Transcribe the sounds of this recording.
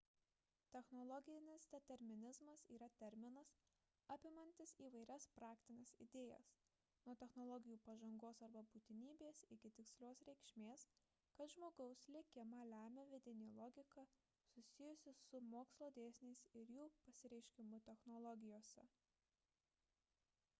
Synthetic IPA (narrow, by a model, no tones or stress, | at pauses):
t̪ʲɛxnɔlˠɔɡʲɪnʲɪsd̪ʲɛt̪ʲɛɾʲmʲɪnʲɪzmɐsiːɾɐt̪ʲɛɾʲmʲɪnɐs | ɑpʲɪmɐnʲt̪ʲɪsiːʋɐɪɾʲɛspɾɑːkt̪ʲɪnʲesɪ̰d̪ʲeːjɛ̰s | nuɔt̪ʲɛxnɔlˠɔɡʲɪjuːpɐʒɐŋɡoːsɐɾbɐbuːt̪ʲɪnʲiːbʲeːsɪkʲɪt̪ʲɪksʲlʲoːsɾʲɛɪkʃʲmʲeːs | kɐt̪ʒmoːɡɐʊslʲɪkʲɪmɑlʲæːmʲɛʋʲɪd̪ʲɪnʲeːlˠɔːɡʲɪkɐ | sʊsʲɪjʊsʲɪsʊmoːkslˠoːd̪ʲeːsʲnʲeɪsɪɾjuːpɐsʲɪɾʲɛɪʃʲkʲɪmʊt̪ʲɛxnɔlˠɔɡʲɪjoːsʲɛ